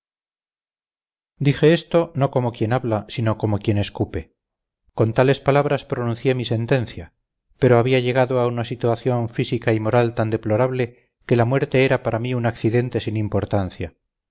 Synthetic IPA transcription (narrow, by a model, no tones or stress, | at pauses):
d̪ixe̞est̪o̞no̞ko̞mo̞kje̞naβlasino̞ko̞mo̞kje̞ne̞skupe̞ | ko̞nt̪ale̞spalaβɾaspɾonũn̟θje̞mise̞nt̪e̞nθja | pe̞ɾo̞aβiaʝe̞ɣaðo̞aunasit̪uwaθjo̞ɱfisikaimo̞ɾalt̪and̪e̞plo̞ɾaβle̞ | ke̞lamwe̞ɾt̪e̞eɾapaɾamiunakθiðe̞nt̪e̞sinimpo̞ɾt̪anθja